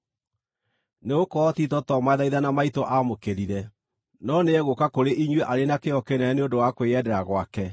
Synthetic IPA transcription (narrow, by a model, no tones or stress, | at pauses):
neokɔtitɔtɔmaɛðaiðanamaitoʔamokeɾiɾɛ | nɔneɛɣokakoɾeʔiɲweʔaɾenakeɔkenɛneodowakweɛdɛɾaɣwakɛ